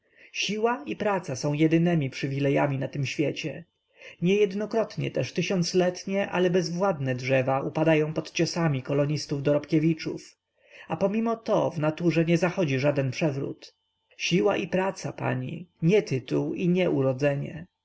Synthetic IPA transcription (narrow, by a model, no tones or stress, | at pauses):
ɕiwaipɾat̪sasɔ̃w̃jɛd̪ɘnɛmʲipʂɘvʲilɛjamʲinat̪ɘmɕfʲjɛt͡ɕɛ | ɲɛjɛd̪nɔkɾɔt̪ɲɛ̰t̪ɛʂt̪ɘɕɔnt̪slɛt̪ɲɛʔa̰lɛbɛzvwad̪nɛdʐɛvaʔupad̪ajɔ̃w̃pɔt̪t͡ɕɔsamʲikɔlɔɲist̪uvd̪ɔɾɔpkʲɛvʲit͡ʂṵf | apɔmʲimɔt̪ɔvnat̪uʐɛɲɛzaxɔd͡ʑiʐad̪ɛnpʂɛvɾṵt̪ | ɕiwa̰ʔipɾat̪sapa̰ɲḭɲɛt̪ɘt̪uwiɲɛʔuɾɔd̪zɛɲɛ̰